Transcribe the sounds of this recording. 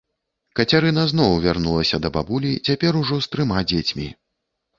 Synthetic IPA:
kɐt͡sʲaɾɨnɐzn̪ɔwvʲarnulˠɐsʲɐd̪ɐbabulʲit͡sʲapʲɛɾuʐɔst̪ɾɨmad͡zʲet͡sʲmʲi

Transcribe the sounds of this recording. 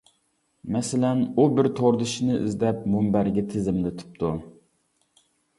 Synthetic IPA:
mɛsɪlɛnubɪɾt̪ʰoɾd̪ɨʃinɨʔḭzd̪ɛpmumbæɾɡʲit̪ʰɪzɪmd̪ɪt̪ʰy̥p̚t̪ʰu

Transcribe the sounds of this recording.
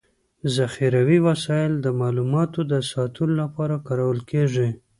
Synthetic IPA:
zaxiɾawiwasɑjɪld̪əmɑlumɑt̪od̪əsɑt̪əlolapɑɾakɑɾawəlkʰeʐi

